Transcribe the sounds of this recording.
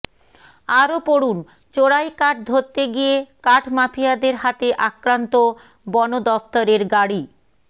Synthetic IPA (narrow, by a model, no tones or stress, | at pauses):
aɾopoɽun | t͡ɕoɽajkaʈ̚d̪ʱoɾt̪ːeɡijekaʈʰmapʰijad̪eɾɦat̪eʔakɾant̪o | bɔnod̪ɔft̪oɾeɾɡaɽi